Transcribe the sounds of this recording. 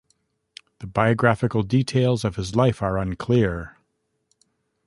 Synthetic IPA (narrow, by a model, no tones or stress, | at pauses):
ðɨbaɪɨɡɹæfɨkl̩ˠditʰeɪlˠzʌv̥ɨzlaɪfə˞ə̃nkʰl̥ɪɹ